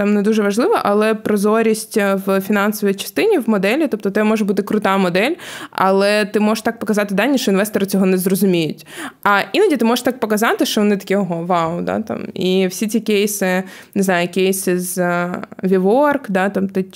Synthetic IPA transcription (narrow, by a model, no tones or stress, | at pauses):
t̪ɑmnɛd̪uʒɛʋɐʒlˠɪʋɐʔɐlˠɛpɾɔzɔɾʲisʲtʲʋfʲinɑnsɔʋʲijt͡ʃɐ̥st̪ɪnʲiʋmɔd̪ɛlʲit̪ɔp̚t̪ɔt̪ɛmɔʒɛbut̪ɪkɾʊt̪ɑmɔd̪ɛlʲɐ̰lˠɛt̪ɪmɔʒʃt̪ɑk̚pɔkɐzɑt̪ɪd̪ɑnʲːiʃt͡ʃɔinʋɛst̪ɔɾɐt͡sʲɔɦɔnɛzrɔzʊmʲijʊtʲɐʔinɐdʲit̪ɪmɔʒeʃt̪ɑk̚pɔkɐzɑt̪ɪʃt͡ʃɔʋɔnɪt̪ɐ̥kʲiɔɦɔʋɑʊd̪a̰t̪ɑ̰miwsʲit͡sʲikʲejsɪnɪznɑjʊkʲejsɪz | ʋʲiʋɔrkd̪ɑt̪ɑmt̪ɪ